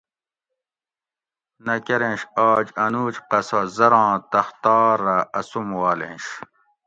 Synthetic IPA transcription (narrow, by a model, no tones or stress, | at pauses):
nɐkeɾẽːɕaːd͡ʑɐnuːt͡ɕqɐsɐzɐɾãːt̪ɐxt̪aːɾaɐsumwaːlḛ̃ːɕ